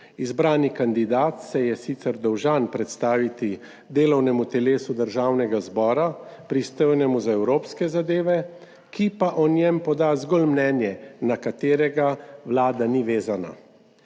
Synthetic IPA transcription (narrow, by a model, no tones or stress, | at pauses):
izbɾaːnikand̪id̪aːt̪sɛjɛsit̪sɛɾd̪ɔwʒanpɾɛt̪st̪aːʋit̪i | d̪eːlɔwnɛmut̪ɛleːsud̪əɾʒaːwnɛɡazbɔːɾapɾist̪ɔjnɛmuzaɛwɾoːpskɛzad̪eːʋɛ | kipaʔɔnjɛmpɔd̪azɡoːlmnɛːnjɛnakat̪eːɾɛɡawlaːd̪aniʋeːzana̰